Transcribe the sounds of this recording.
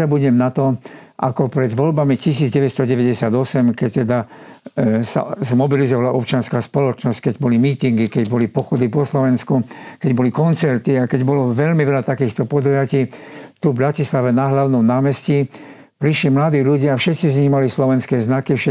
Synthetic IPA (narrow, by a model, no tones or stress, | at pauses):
abuɟɲɛmnat̪ɔʔakɔpɾɛd̪ʋɔʎbamicis̬iːd͡zɟɛʋɛt̪st̪ɔɟɛʋɛɟɛsɪad̪ɔsɛmkɛc̚t̪ɛd̪a | sa̰zmɔbilizɔʋalaʔɔp̚t͡ʃɪanskaːspɔlɔt͡ʃnɔsckɛɟbɔlimiːt̪iŋɡikɛɟbɔlipɔxɔd̪ipɔslɔʋɛnskukɛɟbɔlikɔnt͡sɛɾt̪iakɛɟbɔlɔʋɛʎmiʋɛʎat̪akiːxt̪ɔpɔd̪ɔjaciːt̪uvbɾacislaʋɛnaɦlaʊnɔmnaːmɛsci | pɾiʃlimlad̪iːʎuɟɪafʃɛt̪t͡sizɲiɦmalislɔʋɛnskɛːznakifʃɛ